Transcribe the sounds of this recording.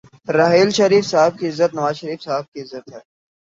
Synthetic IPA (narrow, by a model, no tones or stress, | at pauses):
ɾaɦiːlʃɐɾiːfsaɦb̚kiɪzːət̪nɐʋaːzʃəɾiːfsaɦb̚kiɪzːət̪ɦɛː